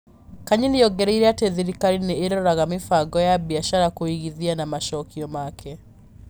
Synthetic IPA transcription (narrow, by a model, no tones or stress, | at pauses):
kaɲinijɔɡɛɾeiɾɛateðiɾikaɾineeɾɔɾaɣamifaɡɔjabiaʃaɾakoiɣiðianamaʃɔkiɔmakʰɛ